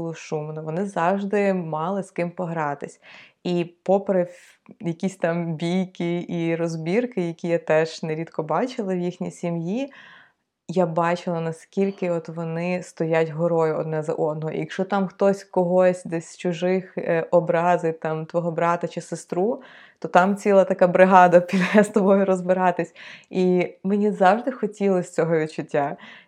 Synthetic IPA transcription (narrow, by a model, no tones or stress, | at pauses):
lˠɔʃumnʊʋɔnɪzɑwʒd̪ɪmɑlˠɪskɪmpɔɦɾɑt̪ɪsʲipɔpɾɪ | jɐkʲisʲt̪ɑmbʲijkɪirɔzbʲirkɪjɐkʲijat̪ɛʒ̥nɛɾʲid̪kɔbɑt͡ʃɪlˠɐwjixnʲijsʲimji | jabɑt͡ʃɪlˠɐnɐskʲilʲkɪɔt̪ʋɔnɪst̪ɔjatʲɦɔɾɔjʊɔ̰d̪nɛzɐ̰ʔɔd̪nɔɦɔʔḭɐkʃɔt̪ɑmxt̪ɔsʲkɔɦɔsʲd̪ɛsʲt͡ʃʊʒɪxɔbɾɑzɪjt̪ɑmt̪ʋɔɦɔbɾɑt̪ɐt͡ʃɪsɪst̪ɾu | t̪ɔt̪ɑmt͡sʲilˠɐt̪ɐkabɾɪɦɑd̪ɐpʲid̪ɛst̪ɔbɔjʊɾɔzbɪɾɑt̪ɪsʲimenʲizɑwʒd̪ɪxɔtʲilˠɐsʲt͡sʲɔɦɔʋʲid̪̚t͡ʃʊtʲːa